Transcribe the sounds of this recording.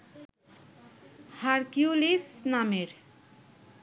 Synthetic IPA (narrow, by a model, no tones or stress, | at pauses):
haɾkjulisnameɾ